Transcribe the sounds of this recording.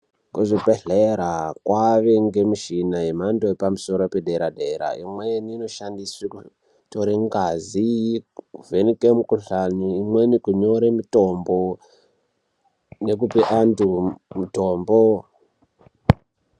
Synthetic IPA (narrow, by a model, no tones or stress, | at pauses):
ŋkoʐibʱeɮeɾakwaʋe̞ŋɡe̞miʃinaemandoepamuso̞ɾopedʱeɾadeɾa̰imwejeniːno̞ʃandisiku | toɾeŋɡazi | uvenikemukuɬanuimwenikuɲo̞ɾemuto̞mbo | nek̬upeʔandumutoːmbo